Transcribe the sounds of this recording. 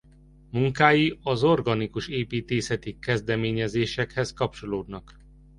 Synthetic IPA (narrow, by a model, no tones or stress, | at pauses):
muŋkaːjiɒzo̞rɡɒnikuʃeːpiːt̪eːsɛt̪ikɛzd̪ɛmeːɲɛzeːʃɛkhɛskɒp̚t͡ʃo̞loːd̪nɒk